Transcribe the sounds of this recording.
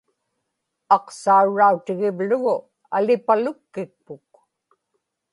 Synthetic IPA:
ɑqsauɻːaut̪ɪɣɪvlʊɣʊ | a̰lɪpalʊkːɪk̚pʊk̚

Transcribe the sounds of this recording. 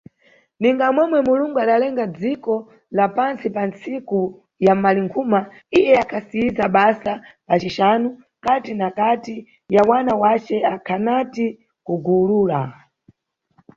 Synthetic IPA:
niŋɡamwɛmwɛmuluŋɡuaɗalɛŋɡad͡zikɔ | lapansipant͡siku | jamaliŋkʰuma | ijɛakʰasiizaɓasapat͡ʃiʃanu | katinakati | jawanawat͡ʃɛakʰanati | kuɡuluːla

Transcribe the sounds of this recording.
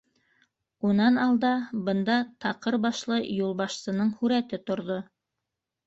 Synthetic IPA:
unɑnɑlˠd̪ɑbɤ̆nd̪ɑt̪ɑqɤɾbɑʃlˠɤjulˠβɑʃsɤ̆nɤɴhʉɾæt̪ɘt̪ŏɾðo

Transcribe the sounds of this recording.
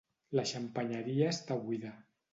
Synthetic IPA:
laʃampaɲaɾiaest̪aβwiða

